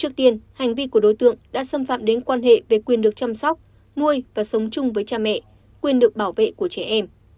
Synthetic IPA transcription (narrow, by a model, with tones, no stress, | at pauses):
t͡ɕɨ˦˥ək̚t̪i˧ənha˨˩jŋ̟vi˧ku˧˩əɗo̰˧˨jt̪ɨ̰˧˨əŋɗa̰ː˧˥sə˧mfa̰ː˧˨mɗe˨˦nkwaː˧nɦḛ˧˨ve˨˩kwi˨˩ənɗɨ˨˩ək̚t͡ɕa˧msɔ˦˥wk͡p̚ | mu˧əjvaː˨˩sə˨˦wŋ͡mt͡ɕʊ˧ŋ͡mvəː˨˦jt͡ɕaː˧mɛ̰˧˨ | kwi˨˩ənɗɨ˨˩ək̚ɓaː˧˩wvḛ˧˨ku˧˩ət͡ɕɛ˧˩ʔɛ˧m